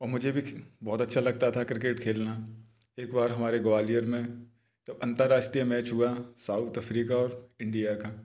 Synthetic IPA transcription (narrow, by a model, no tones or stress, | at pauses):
ɔːɾmʊd͡ʒʱebʱibɔːt̪ɐtːʃʰalɐɡ̚t̪at̪ʰakɾɪkeːʈkʰeːlna | eːkbaːɾɦɐmaːɾeɡoʋaːlijəɾmẽ | d͡ʒɐbɐ̃nt̪əɾːaːʃʈɾijəmɛːt͡ʃɦʊasaːʊt̪ɐfɾiːkaɔːɾɪ̃ɳɖijaka